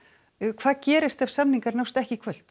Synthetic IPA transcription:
kʰvaːðcɛːɾɪst̪avsamniŋkaɾnawst̪ɛhcɪkʰvœl̥t̪

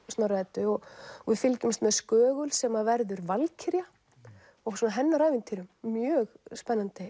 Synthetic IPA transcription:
snaɾɛt̪ʏɔɣɔvɪðfɪlcʏmst̪mɛðskœːɣʏlsɛmavɛɾðʏɾvalcʰɪɾja | ɔsɔnaɦɛnːaɾaːjvɪnt̪ʰiɾʏmːjœːɣspɛnːant̪ɪ

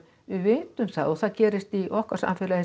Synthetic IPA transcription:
ɪvent̪ʏmθaðoθacɛːɾɪst̪iʔɔhkasa̰nfɪːla

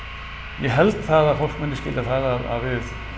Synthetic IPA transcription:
jɛɦɛlt̪θaðaðfowlkmɛnɪscɪ̰ːlaθaðaða̰ðvɪð

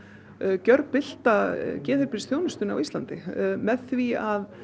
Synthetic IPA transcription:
cœɾpɪl̥t̪acɛːðɪɾpɪɾst̪θʰjoːwnʏst̪ʏna̰wist̪lant̪ɪ̰mɛðθviað

